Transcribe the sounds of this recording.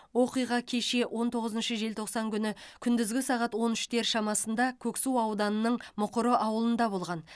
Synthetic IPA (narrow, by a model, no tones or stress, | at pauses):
wo̞qijʁɑkʲʰe̞ʃe̞wʔo̞nt̪ʰo̞ʁəzənʃəʒe̞lt̪ʰo̞qsɑŋkʲʰʏnɪkʲʰʏnd̪ɪzɡʲɪsɑʁɑt̪wo̞nɪʃt̪e̞ɾʃɑmɑsənd̪ɑkʲʰɵksuwɑwd̪ɑnənəɴmʊqəɾəʔɑwəlˠənd̪ɑbo̞lˠʁɑn